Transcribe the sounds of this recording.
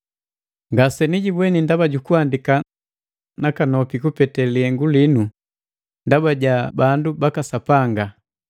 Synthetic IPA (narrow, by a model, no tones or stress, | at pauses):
ŋɡasɛniɟibwɛnindabaɟukuandika | nakanɔpikupɛtɛliɛŋɡulinu | ndabaɟabandubakasapaŋɡa